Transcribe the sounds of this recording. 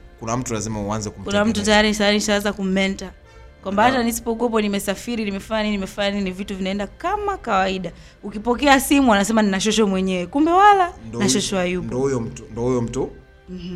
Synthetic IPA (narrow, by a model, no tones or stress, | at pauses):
kunam̩tulazimahuanzɛkum̩kunam̩tutajaɾinisajaɾiniʃawanzakum̩mɛnta | kwambahatanisi̥pɔk̬wɛp̬ɔnimɛsafiɾinimɛfaɲaninimɛfaɲaninivituvinaɛndakamakawaiɗa | ukipɔkɛasimuanasɛmaninaʃ̬ɔʃɔmwɛɲɛwɛkumbɛwalanaʃɔʃɔajupɔɔhujɔm̩tundɔhujɔm̩tu | m̩h̩